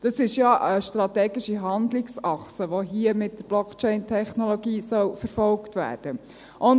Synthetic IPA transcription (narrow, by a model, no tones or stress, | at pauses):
d̥ɑsɪʃjɑʔəʃt̪ɾɑtɛːɡiʃiɦɑnd̪lɪksɑχsəʋoɦiːəmɪtdəɾb̥lɔkʰt͡ʃɛɪntʰɛχnɔlɔɡiːsœlfəɾfɔlktʋæ̰ːɾd̥ə | ʔʊn